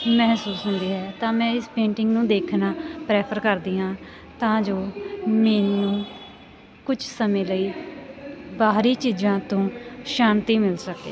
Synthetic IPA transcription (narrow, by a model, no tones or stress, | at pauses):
mɛɦsuːsɦʊ̃nd̪iːɦɛːt̪ãːmɛ̃ːɪspẽːɳʈɪŋɡnũːd̪eːkʰnaːpɾɛːpʰəɾkəɾd̪iːãː | t̪ãːd͡ʒoːmeːnũː | kʊt͡ʃʰsəmẽːləiː | baːɾiːt͡ʃiːd͡ʒãːt̪õːʃaːnt̪iːmɪlsəkḛː